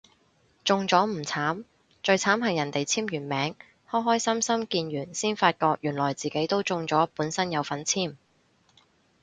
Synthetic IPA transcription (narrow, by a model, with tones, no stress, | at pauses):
t͡sʊ˨˧ŋt͡sɔː˨˥m̩˨˩t͡sʰaː˨˥m | t͡ʃɵ˧ɥt͡sʰaː˨˥mɦɐ˨jːɐ˨˩nt̪e˨jt͡sʰiː˥mjyː˨˩nmɛː˨˥ŋ | hɔː˥ɦɔː˥jsɐ˥msɐ˥mkiː˧njyː˨˩nsiː˥nfaː˧t̚kɔː˧k̚jyː˨˩nlɔː˨˩jt͡siː˨ke˨˥jt̪o˥wt͡sʊ˨˧ŋt͡sɔː˨˥puː˨˥nsɐ˥njɐ˨˧wfɐ˨˥nt͡sʰiː˥˩m